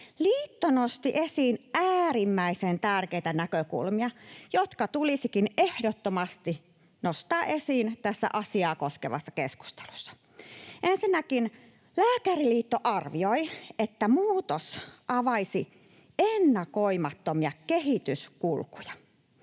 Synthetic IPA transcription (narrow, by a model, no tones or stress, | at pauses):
liːt̪ːonost̪iʔesiːnæːrimːæisent̪ærkeit̪ænækøkṵlmiɑjot̪kɑt̪ulisikinehdot̪ːomɑst̪i | nost̪ɑːʔesiːnt̪æsːæ̰ʔɑsiɑːkoskeʋɑsːɑkesku̥st̪e̥lu̥sːɑ̥ | ʔensinːækin | læːkæriliːt̪ːoʔɑrʋioiet̪ːæmuːt̪osʔɑʋɑisi | enːɑkoimɑt̪ːomiɑkeɦit̪yskulkujɑ̥